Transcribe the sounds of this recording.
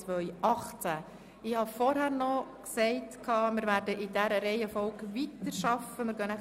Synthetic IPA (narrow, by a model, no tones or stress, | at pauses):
t͡sʋœʏʔɑχt͡sæ | ɪhɑfɔɾhæːrnɔksɛɪtkʰːɑːmɪɾvæːɾdəʔɪdæɾəɾɛɪəfɔlɡvitəɾʃɑfəmɪɾɡœnæ